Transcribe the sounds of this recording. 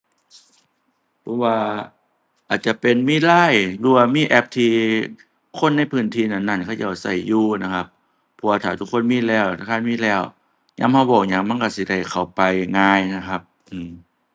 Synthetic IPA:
pʰɔ˧˥waː˧ | ʔaː˨˩t̪̚t͡ɕa˧˨pe˨nmiː˧˥˨laː˧˥˩jlu˧˩waː˧miː˧˥˨ʔɛ˧˥p̚t̪ʰiː˧ | kʰo˧˥˨nːa˧˥˨jpʰɯː˧˥˩nt̪ʰiː˧˨na˧˩nːa˧˩˨nkʰa˧˩˨t͡ɕa˧˩˨sa˧˩jjuː˧˩na˧˩kʰa˧p̚ʰː | ɔ˧˩waː˧t̪ʰaː˨˩t̪ʰu˧˥kʰːo˧˥˨nmiː˧˥˨lɛː˧˩wʰa˧˩kʰaː˧˥˨nmiː˧˥˨lɛː˧˩w | ɲa̰˧˥˨mha˧˩wbɔː˨˩k̚ɲa˧˩ŋma˧˥˨nka˧˩si˧˦da˧˩jkʰa˨˩wpa˨jŋaː˧jna˧˥kʰa˧˥p̚ | ʔɯː˨˩m

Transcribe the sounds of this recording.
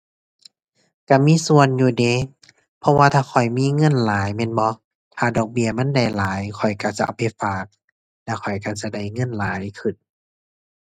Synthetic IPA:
ka˧˩miː˧˥˨su˧˨ənjuː˧˩de˧˦ | pʰɔ˧waː˧t̪ʰaː˧˩kʰɔ˨˩jmiː˧˥˨ŋɤ˧˥˨nlaː˨˦jmɛː˧˥˨nbɔ˧˦ | t̪ʰaː˧˩dɔː˨˩k̚bi˧əma˧˥˨nda˧˩jlaː˨˦jkʰɔ˨˩jka˧˩t͡ɕa̰˧˨ʔa˧˩pʰa˧˩faː˨˩k̚ | lɛ˧˩kʰɔ˨˩jka˧˩t͡ɕa˧˩da˧˩jŋɤ˧˥˨nlaː˨˦jkʰɯ˨˩n̚

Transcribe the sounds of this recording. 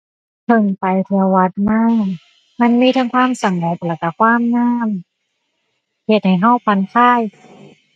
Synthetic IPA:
t̪ʰɤ˧˩ŋpa˧jt̪ʰɯː˧ɐwa˧˦˥t̪̚maː˧˥˩ | ma˧˥˨nmiː˧˥˩t̪ʰa˧˥ŋkʰwaː˧˥˨msa˨˦ŋho˧˦p̪̚lɛː˧˩ka˧˩kʰwaː˧˥˨mnaː˧˥˩m | he˧˩t̪̚ha˨˩jɦa˧˥˩wpʰa˧˦nkʰaː˧˥˩j

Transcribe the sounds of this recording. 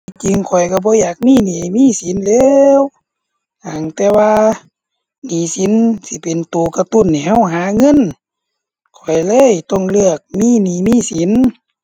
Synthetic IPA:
t͡ɕi˧ŋkʰɔ˨˩jka˧˩bɔː˧˦jaː˨˩k̚miː˧˥˨niː˨miː˧˥˨si˨˦nlɛː˧w | ha˨˩ŋt̪ɛː˧˩waː˧ | niː˨˦si˨˦nsi˧˦pe˨nt̪u˨ka˧t̪u˧˨nːi˧˩ha˧˥˨wɦaː˨˧˦ŋɤ˧˥˨n | kʰɔ˨˩jlɤː˧˨jt̪ɔ˧˥˩ŋlɯ˧˩˨ək̚miː˧˥˨niː˨˦miː˧˥˨si˨˦n

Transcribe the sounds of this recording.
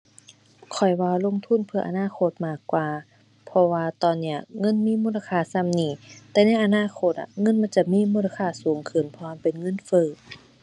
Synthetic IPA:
kʰɔ˨˩jwaː˧˩lo˧˥˨ŋt̪ʰu˧˥˨npʰɯ˧ɐʔa˧˨naː˧˥˨kʰo˧˩t̪̚maː˧˩kːwaː˨˧ | pʰɔ˧waː˧t̪ɔː˧˩nːi˧˩ɐ̰ŋɤ˧˥˨nmiː˧˥˨muː˧˥˨la˧kʰaː˧˩sa˧˥˨mniː˧˩t̪ɛː˧na˧˥˨jʔa˧naː˧˥˨kʰo˧t̪̚ʔa̰˨ŋɤ˧˥˨nma˧˥˨nt͡ɕa˧˨miː˧˥˨muː˧˥˨la˧kʰaː˧˩suː˨˩˦ŋkʰɯ˧˩npʰɔ˧a˧˥˨pe˨nŋɤ˧˥˨nfɤː˧˩˨

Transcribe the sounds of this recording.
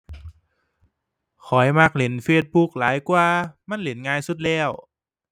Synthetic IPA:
kʰɔ˨˩˦jma˧˩k̚le˨˩˦nfeː˧t̪̚bu˧k̚laː˨˦jkwaː˧ma˧˥˨nle˨˩˦nŋaː˧jsu˧˦t̪̚lɛː˧˥˩w

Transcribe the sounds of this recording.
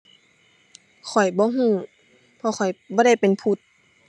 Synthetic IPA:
kʰɔ˨˩jbɔː˧˦ɦũː˧˥˨ | pʰɔ˧xɔ˨˩jbɔː˧˦ɾa˥˩jpe˨npʰu˧˩t̪̚

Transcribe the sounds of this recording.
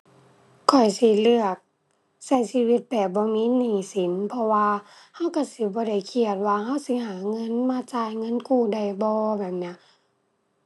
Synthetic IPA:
kʰɔ˨˩jsi˧˦lɯ˧˩ək̚ | sa˧˩jsi˧˥˨wi˧˦t̪̚bɛː˨˩bɔː˧˦miː˧˥˨niː˧˩si˨˦npʰɔ˧waː˧ | ha˧˥˨wka˧˩si˧˦bɔː˧˦da˧˩jkʰi˧˩ət̪̚waː˧ɦa˧˥˨wsi˧˦haː˨˦ŋɤ˧˥˨nmaː˧˥˨t͡ɕaː˧˩˨jŋɤ˧˥˨nkuː˧˩da˧˩jbɔː˧bɛː˨˩p̚ni˧˥˨

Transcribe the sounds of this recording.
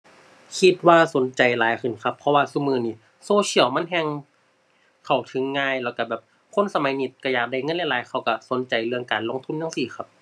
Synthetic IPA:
kʰi˧t̪̚waː˧˩so˨˦nt͡ɕa˨˩jlaː˨˦jkʰɯ˧˨˩nkʰa˧pʰːɔ˧waː˧suː˧˨mɯː˧˨niː˧˩ | soː˧t͡ɕʰi˧˩əlma˧˥˨nɦɛ˧ŋ | kʰa˧˩wt̪ʰɯ˨˦ŋːaː˧˨jlɛ˧˩wka˧˩bɛː˨˩p̚ | kʰo˧˥˨nsa˧ma˨˦jni˧˩t̪̚ka˧˩jaː˨˩k̚da˧˩jŋɤ˧˨lɛ˧˥˩laː˨˦jkʰa˧˩wka˧˩so˨˦nt͡ɕa˨˩jlɯ˧əŋkaː˨nlo˧˥˨ŋt̪ʰu˧˥˨nːja˧˨ŋsiː˨˩xa˧˥p̚

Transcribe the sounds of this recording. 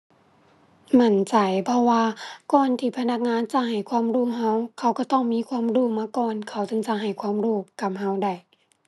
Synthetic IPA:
ma˧˩˨nt͡ɕa˨˩jpʰɔ˧waː˧kɔː˨˩nt̪ʰiː˧˩pʰa˧na˧˩k̚ŋaː˧˥˨nt͡ɕa˧˦ɦa˨˩jkʰwaː˧˥˨mduː˧˨ɦa˧˥˨wkʰa˧˩wka˧˩t̪ɔː˧˩˨ŋmiː˧˥˨kʰwaː˧˥˨mduː˧˩maː˧kɔː˨nkʰa˧˩wt͡ɕɯ˧˨ŋt͡ɕa˧ɦa˨˩jkʰwa˧˥˨mduː˧˩ka˧˩p̚ɦa˧˥˨wda˧˩j

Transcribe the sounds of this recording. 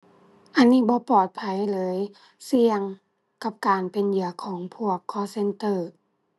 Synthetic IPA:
ʔa˨˧nːiː˧˥˩bɔː˧˦pɔː˨˩t̪̚pʰa˧˩jlɤː˨˦j | si˧əŋ | ka˧˥p̚kaː˨npe˨njɯ˨˩˦ɐkʰɔː˩˦ŋpʰu˧˥˩ɐkʰːɔː˧˦se˧˥nt̪ɤː˧˩

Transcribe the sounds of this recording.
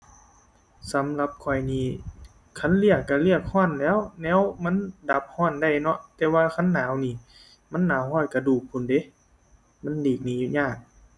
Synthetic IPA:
sa˨˦mla˧p̚kʰɔ˨˩jniː˧˩ | kʰa˧˥˨nli˧˩əkːa˧˩li˧˥˩ək̚hɔː˧˥˩nlɛː˧˥˨wnɛː˧˥˨wma˧˥˨nda˧˦p̚hɔː˧˥˨nda˧˩˨jnɔ˧˦ʔt̪ɛː˧waː˧kʰa˧˥˨nːaː˨˦wniː˧˩˨ | ma˧˥˨nːaː˨˦wɦɔː˧˥˨t̪̚ka˧˩duː˧˩k̚pʰu˧˨nde˨˦ | ma˧˥˨ndiː˨˩k̚niː˧˦˨u˧ɲaː˧˥˩k̚

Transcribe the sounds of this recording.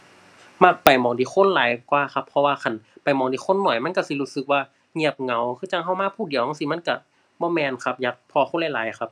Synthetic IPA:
ma˧˩k̚pa˨˩jmɔː˨˩ŋdiː˧˩xʰo˧˥˨nlaː˨˦jkwaː˧˨xʰa˧pʰːɔ˧waː˧kʰa˧˩˨npa˨˩jmɔː˨˦ŋdiː˧˦kʰo˧˥˨nːɔː˨˩jma˧˥˨ka˧˩˨si˧luː˧˥˩sɯ˧˦k̚waː˧ | ŋi˧˨əp̚ŋa˨˦wkʰɯː˧˥˨t͡ɕa˧˨ŋɦa˧˩wmaː˧˥˨pʰuː˧˨di˨˦wɔ˧˥˨si˧˦ma˧˥˨nka˧˩ | bɔː˧˥˨mɛː˧˨nkʰa˧˥p̚ja˧k̚pʰɔː˧˩kʰo˧˥˨la˧˩˨laː˨˦jxʰa˧˥p̚

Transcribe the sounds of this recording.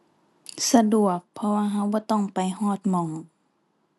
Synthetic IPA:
sa˧du˨˩ək̚pʰːɔ˧waː˧ɦa˧˥wbɔː˧˦t̪ɔ˥˩ŋpa˨˩jhɔː˧˩t̪̚mɔ˨˦ŋ

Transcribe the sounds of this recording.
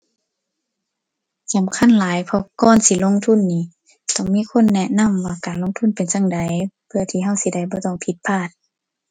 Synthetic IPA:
ka˨mkʰa˧˥˨nlaː˨˦jpʰɔ˧kɔː˧˥˨nsi˧˩lo˧˨ŋt̪ʰu˧˥˨nːiː˧˩˨ | t̪ɔ˧˩˨ŋmiː˧˥˨kʰo˧˥˨nːɛ˧na˧˥˨mwaː˧˩kaː˨nlo˧˥ŋt̪ʰu˧˥˨npe˨nsa˧˨ŋda˨˦jpʰɯ˧ɐ˨t̪ʰiː˧ɦa˧˨wsi˧˦da˧˩jbɔː˧˦t̪ɔ˧˨ŋpʰi˧˦t̪̚pʰaː˧˩t̪̚

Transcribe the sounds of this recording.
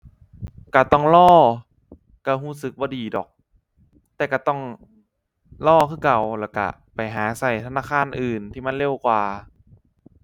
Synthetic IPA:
ka˧˩t̪ɔ˧˥˩ŋlɔː˥˩ | ka˧˩huː˧˥˩sɯ˨˩k̚bɔː˧˦diː˨˩dɔ̰ː˨˩k̚ | t̪ɛː˨˩ka˧˩t̪ɔ˧˥˩ŋ | lɔː˧˩kʰɯː˥˩ka˨˩wlɛː˧˩wka̰˧˩ | pa˨˩jɦaː˩˦sa˨˩jt̪ʰa˧naː˧˥˨kʰaː˧˥˨nʔɯː˨˩nt̪ʰiː˧˩ma˧˥˨nle˧˩wkwaː˨˧

